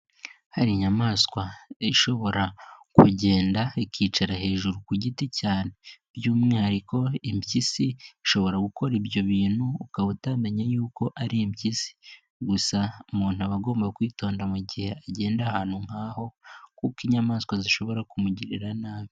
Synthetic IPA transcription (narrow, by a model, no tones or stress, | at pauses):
haɾiɲamaːskwaiʃo̞βo̞ɾakuɟe̞ːndaiciːt͡ʃaɾahe̞ːʒuɾukuɟiticaːne̞bjuːmŋe̞haɾiko̞imbjisiiʃo̞βo̞ɾaɡukʰo̞ɾibjo̞βiːn̥huːkaβutaːndaɲajuːko̞ʔaɾimcisi̥ | ɡusaumuːnuaβaɡo̞ːmbakwiːto̞ːndamuɟihe̞aɟe̞ːndahaːnhuŋ̥aːho̞kuːkiɲamaːskwaziʃo̞βo̞ɾakumuɟiɾiɾanaːmi